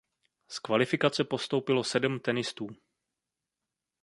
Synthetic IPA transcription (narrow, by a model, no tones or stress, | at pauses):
skvalɪfɪkat͡sɛpo̞st̪owpɪlo̞sɛdmt̪ɛnɪst̪uː